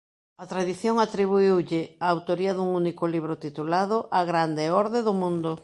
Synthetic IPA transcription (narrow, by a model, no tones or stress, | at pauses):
at̪ɾaðiθjoŋat̪ɾiβ̞uiwʎɪaːwt̪oɾiɐðuŋunikʊliβɾʊt̪it̪ulaðʊʔaɣɾand̪eɔɾðeðʊmũnd̪ʊ